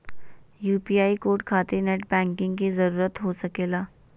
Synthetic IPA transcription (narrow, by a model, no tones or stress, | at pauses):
jupiaikoɾʈkʰat̪eneʈ̚bɛ̃ŋkɪ̃ŋɡkizəɾuːɾət̪ɦosəkela